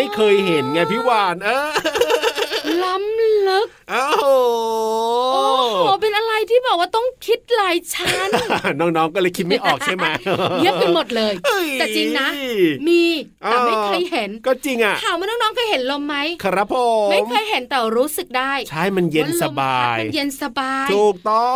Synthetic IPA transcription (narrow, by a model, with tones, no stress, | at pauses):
a˥˩jkʰɤː˧jɦe˨˩˦nŋa˧˩pʰiː˦˥˩waː˧nʔaː˧˩ | la˦˥mlɯ˦˥k̚ | ʔɔː˧ | ɔː˧˦˩pe˧nʔa˧ɾa˧jt̪ʰiː˥˩bɔː˨˩k̚waː˥˩t̪ɔ˥˩ŋkʰi˦˥t̪̚laː˧jt͡ɕʰa˦˥nnɔː˥˩ŋnɔː˦˥ŋkɔː˥˩lɤː˧jkʰi˦t̪̚ma˥˩jʔɔː˨˩kt͡ɕʰa˥˩jma˦˥nɯ˦˥pe˧mo˨˩t̪̚lɤː˧jt̪ɛː˨˩t͡ɕi˧ŋna˦˥miː˧tʔɛː˨˧˩ma˥˩jkʰɤː˧jhe˨˩˦nkɔː˥˩t͡ɕi˧ŋʔa˨˩ʔʰaː˨˩wmː˧nɔː˥˩ŋnɔː˦˥ŋkʰɤː˧jɦe˩˦nlo˧mːa˦˥jkʰa˧ɾa˦˥pʰo˨˩ma˥˩mkʰɤː˧jɦe˨˩˦nt̪ɛː˨˩wɾuː˦˥sɯ˨˩k̚daː˥˩jt͡ɕʰa˥˩jma˧nje˧nsa˧baː˧˩jma˧je˧nsa˧baː˧t̪ʰjʰuː˨˩k̚t̪ɔ˧˩